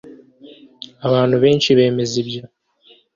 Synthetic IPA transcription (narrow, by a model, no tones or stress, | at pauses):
aβaːn̥huβe̞ːnʃiβe̞ːme̞zibjo